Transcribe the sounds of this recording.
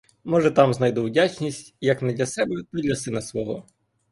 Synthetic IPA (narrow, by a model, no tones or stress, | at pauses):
mɔʒɛt̪ɑmznɐjd̪uwdʲat͡ʃnʲisʲtʲjɐknɛd̪lʲɐsɛbɛt̪ɐdʲlʲɐsɪnɐsʋɔɦɔ